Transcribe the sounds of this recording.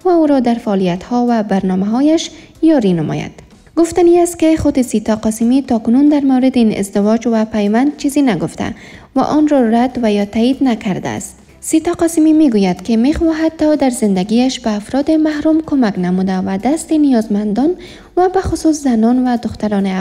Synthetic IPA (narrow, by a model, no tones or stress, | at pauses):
vauɾɔd̪aɾfaɔlijat̪hɔvabaɾnɔmaɦɔjaʃ | jɒɾinɪmɔ̰ja̰d̪̥ | ɡʊft̪aniast̪̚kɪxʊd̪ɪsit̪ɔqɒsɪmit̪ɔkʊnund̪aɾmawɾɪd̪ɪinɪ̰zd̪ɪwɔd͡ʒwapajwand̪̚t͡ʃʰizinaɡʊft̪ʰa̰ | va̰ʔɔnɾɔɾad̪vajɔt̪aid̪nakaɾd̪a̰st̪ | sit̪ɑqɒsɪmimeɡujad̪kɪmexwɔɦat̪̚ːɔd̪aɾzɪnd̪aɡiaʃbaːfɾɔd̪ɪmahɾumkʊmaknamud̪avad̪ast̪enijɒzmand̪ɔn | vabaxʊsuszanɔnvad̪ʊxt̪aɾɔnɪ